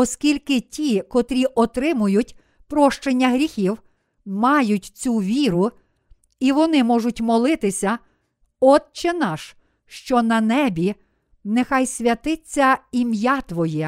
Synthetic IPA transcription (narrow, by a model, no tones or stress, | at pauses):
ɔskʲilʲkɪtʲikɔt̪ɾʲiʔɔt̪ɾɪmʊjʊtʲ | pɾɔʃt͡ʃenʲːɐɦɾʲixʲiw | mɑjʊtʲt͡sʲuʋʲiɾʊ | iʋɔnɪmɔʒʊtʲmɔlˠɪt̪ɪsʲɐ | ɔd̪̚t͡ʃɪnɑʃ | ʃt͡ʃɔnɐnɛbʲi | nɛxɑjsʲʋʲjɐt̪ɪt͡sʲːɐimjat̪ʋɔjɛ